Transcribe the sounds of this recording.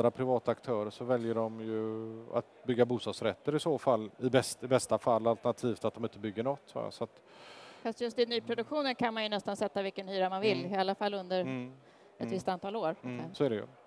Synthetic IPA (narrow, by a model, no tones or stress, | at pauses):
ɾapʰɾɪvɑːt̪aakt̪ʰœːɾəʂɔvɛljəɖɔmjɵa̰t̪bʏɡːabuːst̪ɑːɡ̪sɾɛt̪ːəɾɪsoːfalːɪbɛst̪ɪbɛst̪afalːalt̪əɳat̪ʰiːvt̪at̪̚d̪ɔmɪnt̪əbʏɡːəɳɔt̪ːa̰sɔat̪ | fast̪jɵst̪ɪnyːpʰɾʊd̪ɵkɧuːnənkʰanmanjɵnɛst̪ansɛt̪ːavɪlkənhyːɾamanvɪlːɪalːafalːɵnd̪əɾ | ɛt̪vɪst̪ant̪ɑːloːɾsɔæɖɛjɵ̰